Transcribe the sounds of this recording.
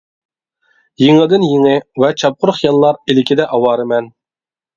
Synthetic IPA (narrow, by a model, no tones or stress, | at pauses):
jiŋɨd̪ɨnjiŋɪvɛt͡ʃʰɑp̚qʰʊɾʊχjɑlˠːɑɾilɪkʲʰid̪ɛʔɑwɑːɾɨmɛn